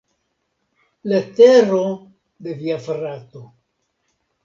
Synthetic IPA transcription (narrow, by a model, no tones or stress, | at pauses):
let̪eɾo | de̞viafɾat̪o̞